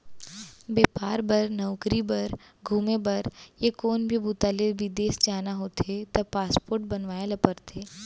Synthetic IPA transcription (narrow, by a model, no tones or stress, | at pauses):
beːpaːɾbɐɾnɐʊkɾibɐɾ | ɡʱuːmebɐɾjekoːnbʱibʱut̪alebʱid̪eːsd͡ʒaːnaɦoːt̪et̪ɐbpaːspoːɾʈbɐnʋaːelɐpəɾt̪ʰeː